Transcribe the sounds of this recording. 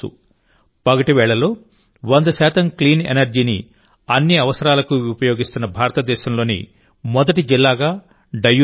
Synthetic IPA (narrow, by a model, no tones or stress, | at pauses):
ṵ | pɐɡɐʈiʋɛːɭːɐlo̞ː | ʋɐnd̪ɐʃaːt̪ɐmkliːnḛnɐɾd͡ʒiːnḭ | ɐnːiɐʋɐsɐɾaːlɐkuupɐjo̞ːɡist̪unːɐbʱaːɾɐt̪ɐd̪ɛːʃɐmloːnḭ | mɔd̪ɐʈid͡ʒilːaːɡaː | ɖɐju